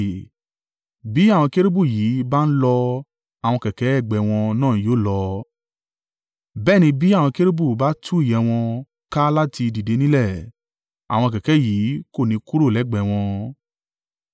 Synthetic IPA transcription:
bi˨˦a˦˨w̃ɔ̃˧ke˦ɾe˦bu˦˨ji˨˦ba˦n̩˦lɔ˧ | a˨w̃ɔ̃˧kɛ˨kɛ˨˦ɛ˦˨ɡ͡bɛ˨w̃ɔ̃˧nãː˦˨˦joː˦˨lɔ˧ | bɛː˦˨nĩ˧bi˨˦a˦˨w̃ɔ̃˧ke˦ɾe˦bu˦˨ba˨˦tʰu˦i˦˨jɛ˧w̃ɔ̃˧ | ka˦la˦ti˧di˨de˨˧˦nĩ˦lɛ˦˨ | a̰˨w̃ɔ̃˧kɛ˨kɛ˨˦jiː˨˦ko˦˨nĩ˧˦ku˦ɾo˦˨lɛ˨˦ɡ͡bɛ˨w̃ɔ̃˧

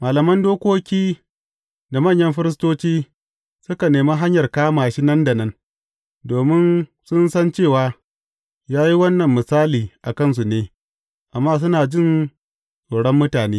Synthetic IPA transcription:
maː˨lɐ˨mɐ˦ndoː˦kʷoː˦kʲiː˦ | da˨mɐ˦˨ɲjɐ˦mɸɪ˦ɾɪ˦s̬toː˦t͡ʃiː˦ | sʊ˦ka˨neː˨maː˦ɦa˦ɲjɐ˨rkaː˦maː˨ʃi˦nɐ˦nda˨nɐ˦n | doː˨mɪ˦n | sʊ˦nsɐ˦nt͡ʃeː˦˨waː˦ | jaː˦ji˦wɐ˦nːɐ˨mːɪ˨saː˦liː˨ʔa˨kɐ˦˨ns̬u˨neː˦ | ʔa˨mːaː˦s̬ʊ˦naː˨d͡ʒɪ˦˨n | sʼoː˨ɽɔ˦mːʊ˦taː˨neː˦

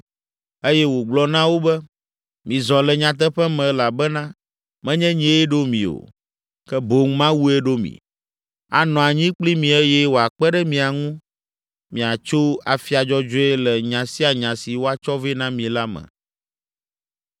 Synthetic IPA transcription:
e˦jɛ˦wo˨ɡ͡blɔ˦nã˦wo˦bɛ˦ | mĩ˨zɔ̃˨lɛ˨ɲã˨t̪̬ɛ˦ɸɛ˦mɛ̃˨˦la˨bɛ˦nã˦ | mɛ̃˦ɲɛ̃˦ɲĩ˦ɛ˦ɖo˦mḭ̃˨o̰˨ | kɛ˦bo˨ŋ˦mã˦wu˦ɛ˦ɖo˦mḭ̃˨ | a̰˨nɔ̃˨a˨ɲĩ˦k͡pli˦mĩ˨ɛ˦jɛ˦wo˨a˨k͡pɛ˦ɖɛ˦mĩ˨a˨ŋũ˦ | mĩ˨a˨t͡ʃo˦a˨fi˦a˨d͡ʒɔ˦d͡ʒo˦e˦lɛ˨ɲã˨si˦a˨ɲã˨si˨wo˦a˨t͡ʃɔ˦ve˦nã˦mĩ˨la˦mɛ̰̃˨

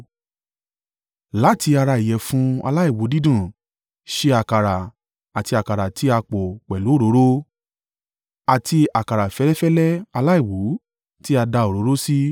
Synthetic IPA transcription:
la˦ti˧a˧ɾa˧i˨jɛ˨fũ˦a̰˧la˦i˦˨wu˨˦di˦dũ˦˨ | ʃe˧a˨ka˨ɾa˨ | a˨ti˧a˨ka˨ɾa˨tʰi˨˦a˧k͡po˨k͡pɛ˨lu˨˦o˦˨ɾo˨˦ɾo˦ | a˨tʰi˧a˨ka˨ɾa˨fɛ˨˦lɛ˦fɛ˦lɛ˦a˧la˦i˦˨wu˨˦ | ti˦a˧da˧o˨ɾo˨˦ɾo˦si˦

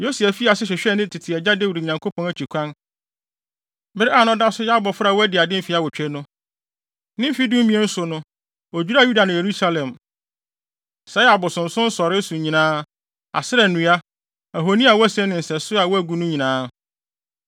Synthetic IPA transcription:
jo˦si˨æ˨fi˦a˨sɪ˦ɕᶣɛ˨ɕᶣɛ˦nɪ̃˦˨tʰɪ˨tʰɪ˨ɛ˨d͡ʑa˦de˦wu˨dɲã˨ŋkʰo˦pʰɔ̃˨˦næ˦˨t͡ɕʰᶣi˨kʷʰã˦n | bɪ˦ɾɪ˦a˦˨nʊ̃˦da˦sʊ˦ja˦bɔ˨fʊ˦ɾa˨wɔ˦æ˦dɪ˨a˨dɪ̃˦fi˦a˨wɔ˨t͡ɕᶣɛ˦nʊ̃˦ | nɪ̃˦m̩˦fi˦dʊ̃˦m˦mĩ˨˦ɛ˦n̩˦sʊ˨nʊ̃˦ | o˨d͡ʑᶣu˦ɾa˦ju˦da˨nʊ̃˨je˨ɾu˦sa˦lɛ̃˨m | sɛ˦a˨bɔ˨sʊ̃˨n̩˨sʊ̃˦n̩˦sɔ˨ɾɪ˦su˨ɲĩ˨nãː˦ | a̰˨sɪ˦ɾɛ˨nʊ̃˨˦a˦ | æ˨ɦo˨nĩ˦a˨wɔ˦æ˦sɛ̃˦nɪ̃˨n̩˨sɛ˨sʊ˦a˨wɔ˦æ˦ɡu˦nʊ̃˦ɲĩ˨nãː˦

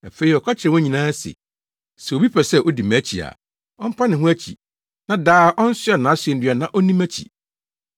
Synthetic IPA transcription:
æ̰˨fe˦ɾi˨ɔ˨kʰa˦t͡ɕʰɪ˨ɾɛ˨wɔ̃˦ɲĩ˨nãː˦sḛ˨ | sɛ˨wo˨bi˦pʰɛ˨sɛ˦ʔɔ˦di˨mæ˦t͡ɕʰḭ˨a̰˨ | ɔ˦m̩˦pʰã˦nɪ̃˨ɦʊ̃˦æ˦t͡ɕʰḭ˨ | nã˨daː˦ʔɔ̃˦n̩˦sʊ˦a˨nãː˨˦sɥɛ˨n̩˦dɥa˨nã˨ʔɔ˦nĩ˦mæ˦t͡ɕʰḭ˨

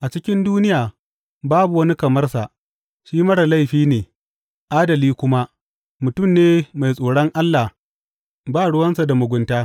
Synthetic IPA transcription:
ʔa˨t͡ʃɪ˦kʲɪ˦nduː˦nɪ˦jaː˨ | baː˦bu˨wɐ˦ni˦kɐ˨mɐ˦rsa˨ʔ | ʃiː˦mɐ˦ɽɐ˨la˦jɸiː˦neː˨ | ʔaː˦dɐ˨liː˦kʷʊ˦ma˦ | mʊ˨tʊ˦˨mneː˦ma˨jsʼoː˨ɽɐ˦ŋʔa˦lːa˨ | baː˦˨ɽʊ˦wɐ˦nsa˨da˨mʊ˨ɡʷʊ˨ntaː˦

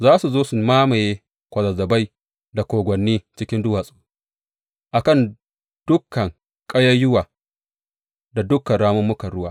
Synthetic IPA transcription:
zaː˦su˨zoː˦su˨maː˦ma˨jeː˦ | kʷɐ˨zɐ˨zɐ˨ba˦j | da˨kʷoː˨ɡʷɔ˨nːiː˦t͡ʃɪ˦kʲɪ˦ndʊ˦waː˨sʼu̥˨ | ʔa˨kɐ˦˨n | d̥ʊ˦kːɐ˨ŋ | kʼɐ˦jɐ˦jːʊ˦waː˨ | da˨dʊ˦kːɐ˨nɽaː˦mʊ˦mːʊ˦kɐ˨ɽʊ˦waː˦

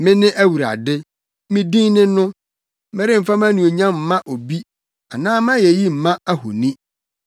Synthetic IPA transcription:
mɪ̃˦nɪ̃˦ʔæ˦wu˨ɾa̰˨dɪ˦ | mɪ̃˦dĩ˦nɪ̃˦nʊ̃˦ | mɪ̃˦ɾɪ˦m̩˨fa˦m˦ã˦nĩ˨o˨ɲã˦m̩˨mã˦ʔo˨bi˦ | a˨nãː˦m˦ã˦jɛ˨ji˦m̩˨mã˦a˦hʊ̰˨nĩ˦

